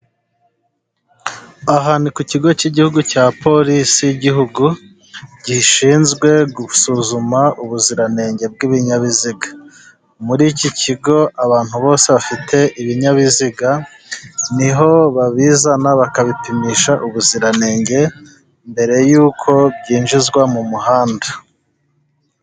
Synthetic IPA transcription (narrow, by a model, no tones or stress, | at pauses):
aɦaːnikuciɡo̞ciɟihuɡucaːpo̞ɾisijiɟiɦuɡu | ɟiʃiːnzɡwe̞ɡusuzumaʔuβuziɾane̞ːŋɡe̞b̚ɡiβiɲaβiziɡa | muɾiciciɡo̞aβaːn̥huβo̞ːseβafitʰe̞ʔiβiɲaβiziɡa | niɦo̞βaβiːzanaβakaβipimiʃaʔuβuziɾane̞ːŋɟe̞ | mbe̞ɾe̞juːkʰo̞bɟiːnʒizɡwamumuhaːnda